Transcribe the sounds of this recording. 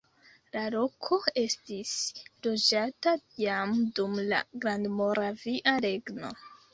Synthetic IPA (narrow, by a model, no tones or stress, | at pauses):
lalo̞kʰo̞e̞stislo̞d͡ʒatajamdumla̰ɡɾandmo̞ɾaviʔaɾe̞ɡno̞̰